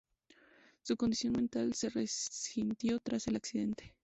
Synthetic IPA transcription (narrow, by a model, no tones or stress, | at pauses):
suko̞nd̪isjo̞nmẽnt̪alse̞resint̪jo̞t̪ɾase̞laksiðe̞nt̪e̥